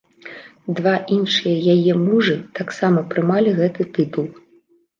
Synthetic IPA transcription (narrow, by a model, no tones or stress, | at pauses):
d̪vaʔinʂɨjɐjajɛmuʐɨt̪aksamɐpɾɨmalʲiɣɛt̪ɨt̪ɨt̪ulˠ